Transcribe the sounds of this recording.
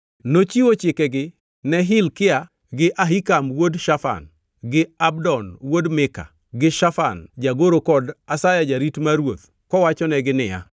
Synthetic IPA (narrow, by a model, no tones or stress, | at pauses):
not͡ʃiwot͡ʃɪkɛɡɪ | nɛɦɪlkɪa | ɡɪʔaɦikamwodʃafa̰n | ɡɪabdɔnwodmɪka̰ | ɡɪʃafa̰nd͡ʒaɡoɾokɔdasajad͡ʒaɾitmaɾwot̪ | kɔwat͡ʃɔnɛɡɪnɪja̰